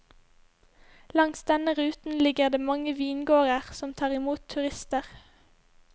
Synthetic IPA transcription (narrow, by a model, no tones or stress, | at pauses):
lɑŋsd̪ɛnəʁʉːt̪n̩lɪɡəʁd̪eːmɑŋəʋiːnɡoːʁəʁsɔmt̪ʰɑːʁɪmuːt̪ʰʉʁɪst̪əʁ